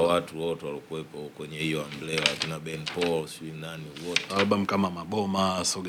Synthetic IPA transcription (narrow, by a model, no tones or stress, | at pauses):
watuwɔtɛwalɔkuɛpɔkwɛɲɛhijɔamblɛlaatunabɛnpɔlsinaniwɔtɛalɓam̩kamamaɓɔmasɔɡ